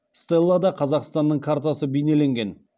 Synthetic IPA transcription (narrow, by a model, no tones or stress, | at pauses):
st̪elˠːad̪ɑqʰɑzɑqst̪ɑnd̪ːəɴkʰaɾt̪asəbejne̞le̞ŋɡʲe̞n